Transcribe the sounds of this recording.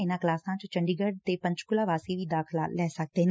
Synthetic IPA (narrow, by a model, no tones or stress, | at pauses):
ɪnãːklaːsnãːt͡ʃõt͡ʃəɳɖiːɡəɖ̚t̪epə̃ɲt͡ʃkʊlaːʋaːsiʋiːd̪aːkʰlalɛːsək̚t̪en